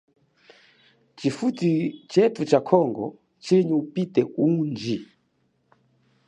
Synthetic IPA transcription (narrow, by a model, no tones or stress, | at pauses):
t͡ʃifutit͡ʃɛtut͡ʃakʰɔŋɡɔ̰ | t͡ʃiliɲiupitɛund͡ʒi